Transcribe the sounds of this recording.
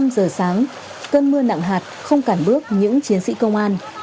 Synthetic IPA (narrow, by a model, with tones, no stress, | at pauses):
mzəː˨˩saː˨˦ŋ | kəː˧nmɨ˧əna̰˧˨ŋɦaː˨˩t̚xə˧wŋ͡mkaː˧˩mɓɨ˦˥ək̚ɲɨ̰˧˥ŋt͡ɕi˨˦ənsḭ˧˥kə˧wŋ͡mʔaː˧n